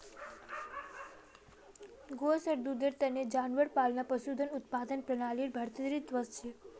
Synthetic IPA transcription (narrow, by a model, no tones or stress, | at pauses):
ɡosəɾd̪ud̪əɾt̪əned͡ʒanʋəɾpalnapəʃud̪ʱənʊt̪̚pad̪ənpɾənaliɾbʱəɾt̪id̪ɾit̪d̪ʋəst͡ʃʰe